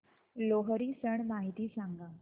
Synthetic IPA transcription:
loɦəɾiːsəɳmaɦit̪iːsãŋɡa

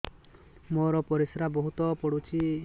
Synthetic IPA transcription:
mɔɾɔpɔɾisɾabɔɦut̪ɔpɔɽut͡ʃʰi

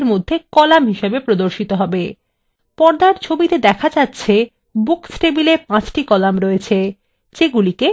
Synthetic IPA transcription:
ɾmod̪ʱːekɔlamɦiʃebepɾod̪oɾʃit̪oɦɔbe | pɔɾd̪aɾt͡ɕʰobit̪ed̪ɛkʰad͡ʑatːɕʰe | buksʈebilepãt͡ɕʈikɔlamɾoet͡ɕʰe | t͡ɕeɡulike

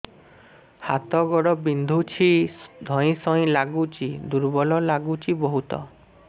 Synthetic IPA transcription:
hat̪ɔɡɔɽɔbind̪ʱut͡ʃʰid̪ʱɔ̃ĩsɔĩlaɡut͡ʃid̪uɾbɔlɔlaɡut͡ʃibɔɦut̪ɔ̰

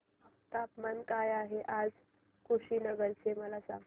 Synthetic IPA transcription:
əpt̪apmənkajaɦeʔad͡z | kʰuɕiːnəɡəɾt͡seməlasa̰ɡ

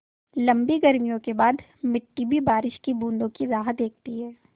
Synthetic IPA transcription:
lɐ̃mbiɡɐɾmijõkebaːd̪ | mɪʈːibʱibaːɾɪʃkibũːnd̪õkiɾaːɦət̪̚d̪eːk̚ʰt̪iɦɛː

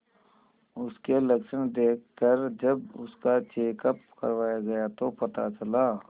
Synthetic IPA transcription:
ʊskelɐkʃənd̪eːk̚ʰkəɾd͡ʒɐbʊ̰skat͡ʃeːkəp̚kɐ̰ɾʋaːjaɡɐjat̪opɐt̪a̰t͡ʃɐlaː

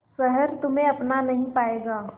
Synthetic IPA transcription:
səɦəɾt̪ʊmẽɐpnanəɦĩpaːeɡaː

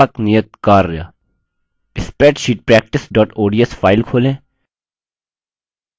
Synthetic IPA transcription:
knijət̪̚kaːɾːja̰ | ɪspeːʈʃiːʈ̚pɾɛːk̚ʈɪsɖɔːʈoːɖiesfaːɪlkʰoːlẽː

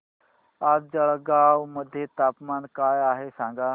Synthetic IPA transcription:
atd͡zəɭɡawməd̪ʱjet̪apmankajaɦesãŋɡa

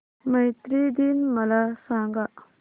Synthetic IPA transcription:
majt̪ɾid̪inmɐlasãːŋɡa

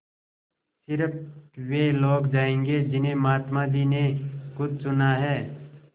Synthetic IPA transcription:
sɪɾəp̚ʰweːloːɡd͡ʒaːẽːŋɡed͡ʒɪnɦẽmaːt̪mad̪iːnekʊd̪̚t͡ʃʊnaɦɛː

